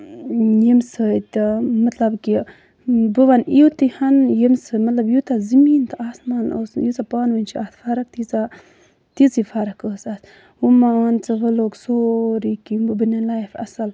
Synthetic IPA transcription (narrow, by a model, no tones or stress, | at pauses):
jimsət̪imɐt̪lɐbki | bɨʋaniut̪ihɐnjimsəmɐt̪lɐbjut̪azimiːnt̪ɨʔaːsmaːno̰ːsjut͡sapaːnʋənʲt͡ʃʰiaːt̪ʰfaːɾɐk̚t̪iza | t̪izifaːɾɐkəːsas | umaaːnt͡sɐʋəloːksoːɾikimbɨbənalaːjfɐ̰sɐl